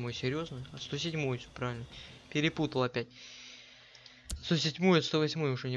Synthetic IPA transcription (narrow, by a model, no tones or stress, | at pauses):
mo̞jsʲɪɾʲjo̞znɨjɐst̪o̞sʲɪdʲmojʊsʲopɾavʲɪlʲnəpʲɪɾʲɪput̪əlˠɐpʲæt̚ʲ | st̪osʲɪdʲmojʊt̪st̪ovɐsʲmojʊʂonʲɪ